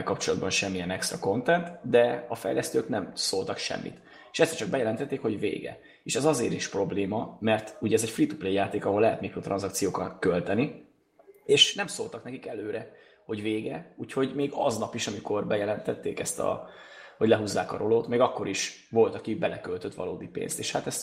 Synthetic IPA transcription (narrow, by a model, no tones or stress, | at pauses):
lkɒpt͡ʃo̞lɒd̪̚bɒnʃɛmːiɛnɛkst̪rɒko̞nt̪ɛnt̪d̪ɛɒfɛ̰jlɛst̪øːknɛmsoːlt̪ɒkʃɛ̰mːḭt̪ | eːʃɛsːɛt͡ʃɒɡ̚bɛjɛlɛnt̪ɛt̪ːeːkho̞ɟvḛːɡɛ̰ | eːʃɛzɒzeːɾiʃpro̞bleːmɒmɛrt̪uɟɛzɛcfrit̪uplejjaːt̪eːkɒɦolːɛɦɛt̪mikroːt̪rʔɒ̰nzɒkt̪sijoːkɒt̪kø̞lt̪ɛni | eːʃnɛmsoːlt̪ɒknɛkikɛløːɾɛ | ho̞ɟveːɡɛuːcho̞ɟmeːɡɒznɒpiʃɒmiko̞rbɛjɛlɛnt̪ɛt̪ːḛːkɛst̪ɒ̰ho̞ɟlɛɦuzːa̰ːkɒ̰ɾʔo̞loːt̪meːɡɒkːo̞ɾiʃ | vo̞lt̪ɒkibɛlɛkølt̪øt̪ʋɒ̰loːd̪ipḛːnst̪eːʃhat̪ɛst̪